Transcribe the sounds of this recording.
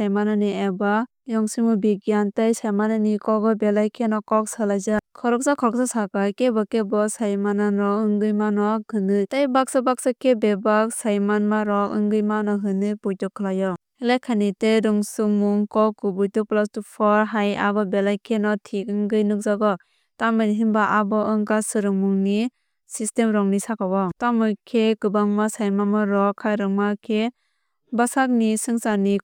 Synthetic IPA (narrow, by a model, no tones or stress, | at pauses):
sajmananieba | jɔŋsimubiɡjantajsajmanɯnikɔɡɔbelajkʰenɔkɔk̚salajzakʰɔɾɔk̚sakʰɔɾɔk̚sasakajkebɔkebɔsajmananɾɔkɯŋɡɯjmanɔhɯnɯtajbak̚sabak̚sakebebak̚sajmanmaɾɔkɯ̰ŋɡɯjmanɔɦɯnɯpujtɔkʰɯlajɔ | helajkʰaniteɾuŋsumuŋkɔkɯbujtuplastupʰɔɾɦaja̰bɔbelajkʰenɔtʰik̚ɯŋɡɯjnɯk̚zaɡɔ | tamɯnɦinbaʔabɔɯŋkasɯɾɯŋmuŋni | sistemɾɔŋnisakabatamɯjkʰekɯbaŋmasajmanmaɾɔkʰːajɾɯŋmakʰe | basak̚nisɯŋsani